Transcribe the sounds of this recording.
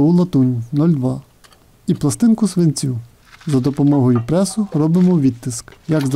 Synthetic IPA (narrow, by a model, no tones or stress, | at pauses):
ulˠɐt̪unʲnɔlʲd̪ʋɑ | iplˠɐst̪ɪnkʊsʋenʲt͡sʲu | zɐd̪ɔpɔmɔɦɔjʊpɾɛsʊɾɔbɪmɔʋʲid̪t̪ːɪskjɐɡz